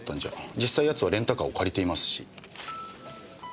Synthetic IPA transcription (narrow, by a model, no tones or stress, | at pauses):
t̪ːãɲ̟d͡ʑa̰d͡ʑisːaijat͡sɨβaɾẽ̞nt̪akaokʰaɾʲit̪e̞imasɨ̥ɕḭ